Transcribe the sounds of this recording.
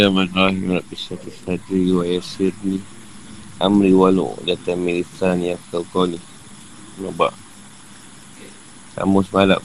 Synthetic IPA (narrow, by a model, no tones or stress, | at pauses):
amanɾaɦimɾapisat̪isadiɾiwajasiɾni | amɾiwalṵʔdat̪amilit̪anjakalkɔni | noba̰ʔ | sa̰mʊsmala̰